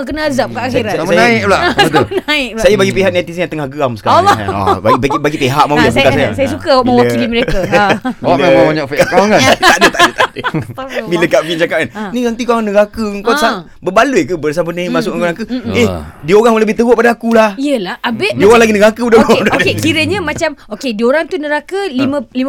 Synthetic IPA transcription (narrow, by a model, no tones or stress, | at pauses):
k̬ənaazap̚kaʔaxiɾaməanaiklat̪ənaɪk̚sajabaɡipeɦaʔ̚nat̪is̬jãt̪əŋahɡamsə̥kaɾaa̰babɡibaɡipeɦaʔ̚mawjaskasaja̰sajasukaməwailiməɾea | mamabaɲaʔfɛkaaat̪adət̪aʔdət̪adəbiləŋkabind͡ʒakaʔ̚kannĩnant̪ikuŋnəɡakəŋkɔsa | bəbaluikəbəɾasampənəmasʊk̚ɾaŋkəehdioɾaŋmələbɪht̪əɡoʔpadaːkulahiəlahabeʔdioɾaŋlaɡinəɡakəudaɡdokekiɾəɲəmat͡ʃamokedioɾaŋt̪unəɾakəliməlim